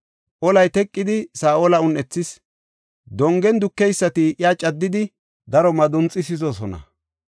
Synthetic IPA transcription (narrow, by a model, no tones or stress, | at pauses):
ʔɔlɐjt̪ɛkʼːɪd̪ɪsaːʔoːlɐʊnɛt͡sːɪs | d̪ɔŋɡɛnd̪ʊkːɛjsːɐt̪ɪʔjaːt͡ʃʼɐd̪ːɪd̪ɪ | d̪ɐɾɔmɐd̪ʊnt͡sʼːɪsɪzɔsɔnɐ̰